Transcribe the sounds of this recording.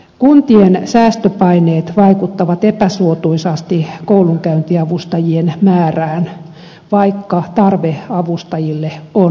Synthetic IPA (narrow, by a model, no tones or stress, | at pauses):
kunt̪iensæːst̪øpɑineːt̪ʋɑikut̪ːɑʋɑt̪epæsuot̪uisɑst̪ikouluŋkæynt̪iɑʋust̪ɑjienmæːræːn | ʋɑikːɑt̪ɑrʋeɑʋust̪ɑjilːeo